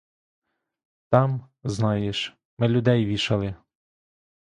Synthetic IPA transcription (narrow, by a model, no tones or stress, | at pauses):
t̪ɑm | znɑjeʃ | mɪlʲʊd̪ɛjʋʲiʃɐlˠɪ